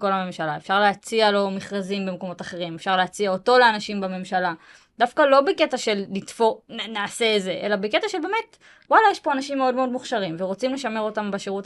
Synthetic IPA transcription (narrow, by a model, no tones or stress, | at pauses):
ko̞lhame̞mʃalae̞fʃaʁleat͡sialo̞miχʁazimbe̞mko̞mo̞taχe̞ʁimefʃaʁleat͡siaoto̞leanaʃimbame̞mʃala | d̪afkalo̞beke̞taʃe̞lːitfonaːse̞ːze̞ʔe̞labeke̞taʃe̞lbe̞me̞t | walajeʃpo̞anaʃimːeo̞dmeo̞dmuχʃaʁimve̞ʁo̞t͡simle̞ʃame̞ʁo̞tambeʃeʁut